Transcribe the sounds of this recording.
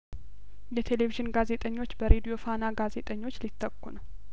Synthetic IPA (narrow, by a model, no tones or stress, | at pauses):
jɛt̪ʰe̞le̞viʒɪnɡaze̞t̪ʼəɲːo̞t͡ʃːbəɾe̞d̪ijo̞fanaɡaze̞t̪ʼəɲːo̞t͡ʃːlit̪ʰːəkːunəw